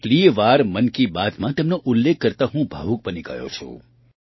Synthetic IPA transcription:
kliːʋaːɾmənkibaːt̪mãt̪eːmnoʔʊlːekːəɾt̪aɦũbʱa̰ːʋuk̚bəniɡə̰jo̰t͡ʃʰo̰

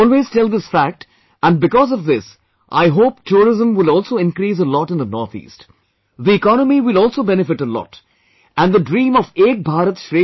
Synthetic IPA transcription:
ɔlweːz̥tɛlˠðɪsfæk̚ʈ | ʔæ̃nbɪkɔːzɔvðɪs | ʔa̰ɪɦoːpʈʰuːɾɪzə̃mwɪlɔːlsoːɪ̃nkɾiːs̬əlɔʈɪ̃nðənɔɾt̪ʰḭːst | ðiɪkɔnəmiwɪlɔːlˠsoːbɛnɨfɪʈəlɔ̰ːʈ | æ̃nðədɾĩːmɔveːk̚bʱaːɾət̪sʃɾe

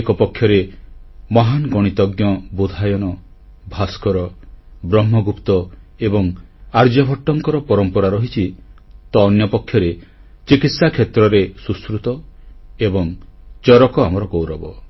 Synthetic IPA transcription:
kɔpɔkʰːjɔɾe | mɔɦanɡɔɽ̃it̪ɔɡjɔbud̪ʱajɔnɔ | bʱaskɔɾɔbɾɔmːɔɡupt̪ɔebɔŋaɾd͡ʒɔbʱɔʈːɔŋkɔɾɔpɔɾɔmpɔɾaɾɔɦit͡ʃʰit̪ɔːnjɔpɔkʰːjɔɾe | t͡ʃikit̪sakʰjet̪ɾɔɾesuskɾut̪ɔebɔŋt͡ʃɔɾɔkɔamɔɾɔkowɾɔbɔ

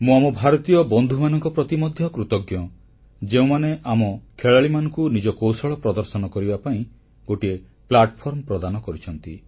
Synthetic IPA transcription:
mũamɔbʱaɾɔt̪ijɔbɔnd̪ʱumanɔŋkɔpɾɔt̪imɔd̪ʱjɔkɾut̪ɔɡjɔ | d͡ʒeũmaneʔamɔkʰeɭaɭimanɔŋkunid͡ʒɔkowsɔɭɔpɾɔd̪ɔɾsɔnɔkɔɾibapaĩ | ɡoʈie | plaʈɔpʰɔɾmɔpɾɔd̪anɔkɔɾit͡ʃʰɔnt̪i

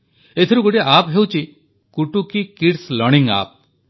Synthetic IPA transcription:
et̪ʰiɾuɡoʈiʔapɦewt͡ʃʰi | kuʈukikiʈslɔɾɽiŋa̰p̚

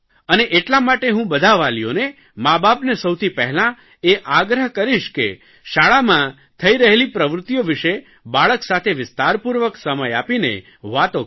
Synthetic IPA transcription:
əneʔeʈlamaʈeɦũbəd̪ʱaʋalijo̰ne | mabapnesəwt̪ʰipɛɦlã | eʔaɡɾəɦkəɾiʃkḛ | ʃaɭamã | t̪ʰəiɾəɦelipɾəʋɾʊt̪ːjoʋɪʃe | baɭəksat̪ʰeʋɪst̪aɾpuɾʋəksəməjapinḛ | ʋat̪o

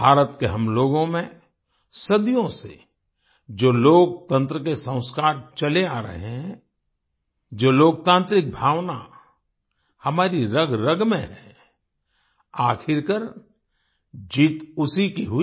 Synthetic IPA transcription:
bʱaːɾət̪keɦɐmloːɡõmẽ | sɐd̪ijõsḛ | d͡ʒoːloːk̚t̪ə̃nt̪ɾəkesə̃ʊ̃skaːɾt͡ʃɐleaːɾɐ̰ɦeɦɦɛ̃ | d͡ʒoːloːk̚t̪ãːnt̪ɾɪk̚bʱaːwna | hɐmaːɾiɾɐɡɾɐɡmẽɦɛ | aːkʰɪɾkəɾ | d͡ʒiːt̪ʊsikiɦʊi

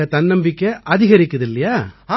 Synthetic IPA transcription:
ɐt̪ɐnːɐmbɪkːɐʔɐðɪɣɐɾɪkːɐðɪlːɐjaːa

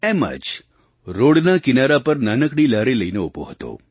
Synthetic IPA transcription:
emə̰d͡ʒ | ɾoɽnakɪnaɾapəɾnanəkɽ̃ilaɾiləijneupo̰ɦət̪o̰

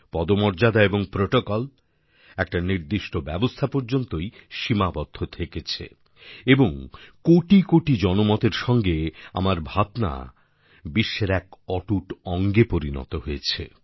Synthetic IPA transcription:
pɔd̪omɔɾd͡ʑad̪aeboŋpɾoʈokɔl | ɛk̚ʈaniɾd̪iʃʈobɛbost̪ʰapoɾd͡ʑont̪ojʃimabɔd̪ʱːot̪ʰeket͡ɕʰḛ | eboŋkoʈikoʈid͡ʑɔnomɔt̪eɾʃɔŋɡea̰maɾbʱat̪na̰ | biʃːeɾɛkɔʈuʈɔŋɡepoɾinɔ̰t̪oɦoet͡ɕʰḛ

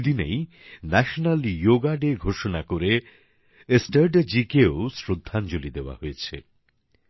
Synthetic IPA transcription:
d̪inḛj | nɛʃonaljoɡaɖeɡʱoʃonakoɾe | esʈəɾɖd͡ʑikeosɾod̪ʱːand͡ʑolid̪eoa̰ɦojet͡ɕʰḛ

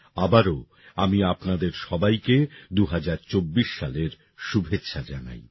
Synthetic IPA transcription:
abaɾo | amiapnad̪eɾʃɔbajked̪uɦad͡ʑaɾt͡ɕobːiʃːaleɾ | ʃubʱetːʃʰad͡ʑana̰j

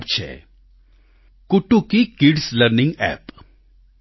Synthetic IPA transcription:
bt͡ʃʰɛ̰ | kʊʈːukikiɖsləɾnɪ̃ŋɡɛ̰ːp

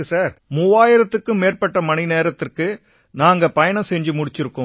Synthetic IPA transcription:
ɯsaːɾmuːʋaːjɪɾɐt̪ːɯkːɯmeːrpɐʈːɐmɐnɪneːɾɐt̪ːɪrkɯ | naːŋɡɐpɐjɐɳɐ̃msɛɲd͡ʒɯmʊɽɪt͡ʃːɪɾɯkːɯ

